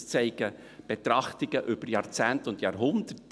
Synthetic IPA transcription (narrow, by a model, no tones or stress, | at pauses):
t͡sɛɪɡ̥ə | b̥et̪ɾɑχtɪɡəʔʏb̥əɾjɑːɾt͡sæːntʊndjɑːɾɦʊnd̥ət